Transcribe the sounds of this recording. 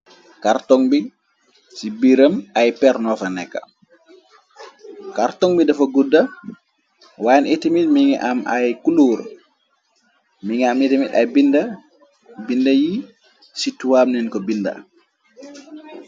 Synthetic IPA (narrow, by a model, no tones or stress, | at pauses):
kaɾtɔŋbi | sibiɾəmajpɛɾnɔfanɛkːa̰ | kaɾtɔŋbidafaɡudːa | wanetimit̚miŋɛ̰ʔamajkuluːɾ | miŋɛametimitajbinda | bindaji | situwamninkɔbinda̰